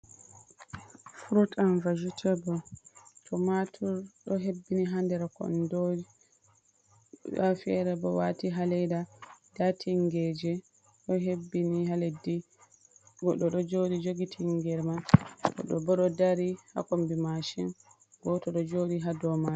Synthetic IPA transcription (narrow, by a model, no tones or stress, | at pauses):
fuɾutanvad͡ʒutʰɛbɔtʰɔmatʰuɾɗɔɦebːiniɦandɛɾakɔ̰ndɔ | afɛ̰ɾɛbɔwa̰tiɦalɛjdadatʰiŋɡɛd͡ʒɛ | ɗɔɦebːinihaledi | ɡɔɗɔɗɔd͡ʒoɗid͡ʒoɡitʰiŋɡɛɾmaɗɔ̰ɗɔbɔɗɔdaɾiha̰kombimaʃin | ɡɔtɔɗɔd͡ʒoɗiɦadɔma